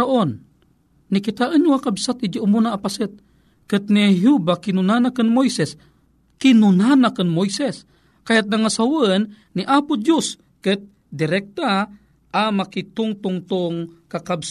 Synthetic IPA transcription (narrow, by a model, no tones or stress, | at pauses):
aʔonː | ikɪt̪aʔənuwakabsat̪ʔid͡ʒaʔʊmunaːpasɨt̪̚ | kɨt̪niɦubakɪnunanakɨnmojsɛs | kɪnunanakənmojsɛs | kajat̪̚naŋasawnː | iʔapʊd͡ʒus | kɨt̪̚ | d̪ɪɾɛk̚t̪a | ʔːmakit̪ʊŋt̪ʊŋt̪ʊŋkakabs